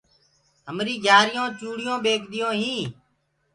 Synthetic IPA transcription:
ɦəmɾiːɡʱaːɾɪjõːt͡ʃuːɽɪjõːɓeːkʰɗ̪ɪjõːɦĩː

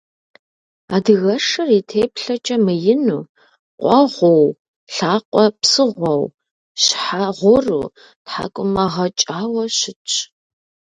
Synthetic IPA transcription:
a̰ːdɨɣɐʂɨritʰeːpɬɐt͡ʃʼɐmɨjɪnuː | qʷʼɔʁʷow | ɬaːqʷʼɔpsɨʁʷɔw | ɕħaʁʷʊrṵː | tħa̰ːkʷʼʊmɐʁɐt͡ʃʼaːwɐɕɪt͡ʃʼ

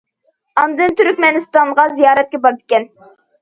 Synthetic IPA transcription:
ɑnd̪ɨnt̪ʰyɾkʲmɛnɨst̪ɑɴʁɑzijɑːɾɛt̪̚kʲɛbɑɾd̪ɪkʲɛn

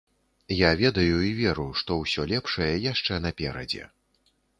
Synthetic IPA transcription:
javʲɛd̪ɐjuivʲɛɾuʂt̪ɔwsʲɔlʲɛpʂɐjɐjaʂt͡ʂɛnɐpʲɛɾɐ̰d͡zʲɛ̰

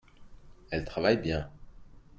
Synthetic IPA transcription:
ɛlt̪χavajbjɛ̃

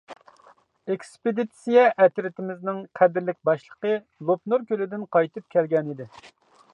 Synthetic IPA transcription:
ekspɪd̪it̪sijɛʔɛt̪ɾɪt̪ʰɪmɪznɪŋqʰæd̪ɪɾlɪk̚ʲbɑʃlˠəqə | lˠopnuɾkʲølɪd̪ɪnqʰɑjt̪ɨp̚kʲʰɛlɡʲɛnid̪ɪ

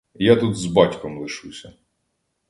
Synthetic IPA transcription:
jat̪ut̪zbɑtʲkɔmlˠɪʃusʲɐ

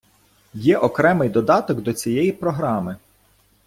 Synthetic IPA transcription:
jɛʔɔkɾɛmɪjd̪ɔd̪ɑt̪ɔɡd̪ɔt͡sʲijɛjipɾɔɦɾɑmɪ

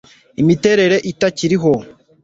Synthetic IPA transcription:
imite̞ɾe̞ɾe̞ʔitaciɾiɦo̞

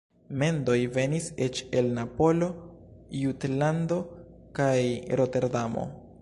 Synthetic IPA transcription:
me̞ndo̞jve̞niset͡ʃe̞lnapo̞lo̞jutlando̞ | kajɾo̞te̞ɾdamo̰

